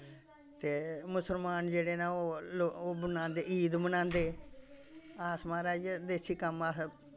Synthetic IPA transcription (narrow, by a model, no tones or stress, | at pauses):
t̪eːmʊsəlmaːnd͡ʒeːɽeːnãːoːlooːbənãːnd̪eːiːd̪bənãːnd̪eː | aːsmãːɾaːd͡ʒd̪eːsiːkəmaː